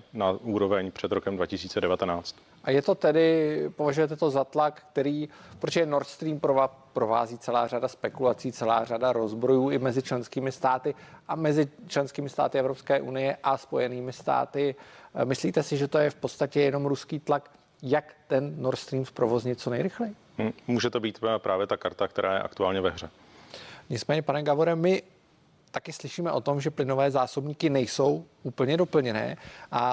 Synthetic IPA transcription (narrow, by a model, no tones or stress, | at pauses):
nauːɾovɛɲpr̥ɛd̪ɾokɛmdvacɪsiːt͡sɛdɛvat̪ɛnaːt͡st̪ | ʔajɛt̪o̞t̪ɛdɪpo̞vaʒujɛt̪ɛt̪o̞zat̪lakkt̪ɛɾiːpɾoɛno̞ɾt̪st̪ɾiːmpɾoapɾo̞va̰ːziːt͡sɛla̰ːradaspɛkulat͡siːt͡sɛla̰ːr̝adaɾo̞zbɾo̞juːɪmɛzɪt͡ʃlɛnskiːmɪst̪aːt̪ɪʔamɛzɪt͡ʃlɛnskiːmɪst̪a̰ːt̪ɪɛvɾo̞pskɛːʔunɪjɛʔaspo̞jɛniːmɪst̪a̰ːt̪ɪmɪsliːt̪ɛsɪʒɛt̪o̞jɛfpo̞t̪st̪acɛjɛno̞mɾuskiːt̪lak | jakt̪ɛnːoɾst̪ɾiːmspɾo̞vo̞zɲɪt̪t͡so̞nɛjɾɪxlɛjɪ | muːʒɛt̪obiːt̪pɾʔaːvjɛt̪akaɾt̪akt̪ɛɾʔaːjɛ̰ʔa̰kt̪uaːlɲɛvɛɦr̝ɛ | ɲɪt͡smɛːɲɛpanɛɡavoɾɛmɪ | t̪akɪslɪʃiːmɛʔo̞t̪o̞mʒɛplɪnovɛːzaːsobɲiːkɪnɛjso̞wʔuːpl̩ɲɛdo̞pl̩ɲɛnɛ̰ːʔa